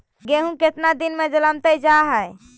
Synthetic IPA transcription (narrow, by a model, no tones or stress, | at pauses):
ɡeɦũket̪nad̪inmed͡ʒələmt̪əd͡ʒaɦəj